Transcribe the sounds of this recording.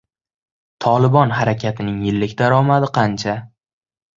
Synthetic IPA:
t̪ʰɒlˠɪbɒnɦaɾakʲʰat̪ʰɪnɪŋjɪlːɪkʲd̪aɾɒmad̪ɪqʰɑnt͡ʃʰa

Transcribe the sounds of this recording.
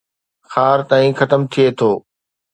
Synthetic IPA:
xaːɾt̪aːĩxɐt̪əmt̪ʰiet̪ʰoː

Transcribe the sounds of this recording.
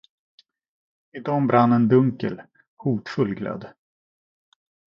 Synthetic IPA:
ɪd̪ɔmbɾʔanːənd̪ɵŋkə̰l | huːt̪fɵlːɡlɛ̰d̪

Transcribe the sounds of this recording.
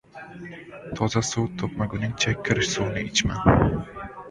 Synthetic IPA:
t̪ʰɒzasuwt̪ʰopmaɡʊnɪŋt͡ʃʰakʲʰːɪɾɪʃsownɪɪt͡ʃma̰n

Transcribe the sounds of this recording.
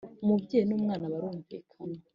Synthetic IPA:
mubɟeːjnuːmŋaːnaβaɾuːɱvḭːkʰana

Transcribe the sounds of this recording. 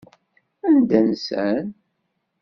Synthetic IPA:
ænd̪ænsən

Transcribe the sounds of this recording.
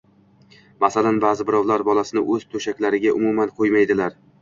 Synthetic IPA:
masalanbaːzɪbɪɾɒwlaɾbɒlˠasɪnɪʔɵzt̪ʰɵʃakʲlaɾɪɡʲaʔʊ̰mumanqʰojmajd̪ɪlaɾ

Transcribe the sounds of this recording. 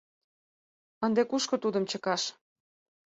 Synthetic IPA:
ənd̪ekuʃkŏt̪ud̪əmt͡ɕəkɑʃ

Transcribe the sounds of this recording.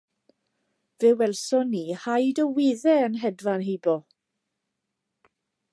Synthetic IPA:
vɛwɛlˠsɔniːhajdəwɪːðɛənɦɛdvanɦebɔ

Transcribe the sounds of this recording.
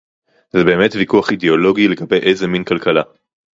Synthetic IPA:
zebe̞ːme̞tvikuaχideo̞lo̞ɡile̞ɡabe̞jʔejze̞minkalkala

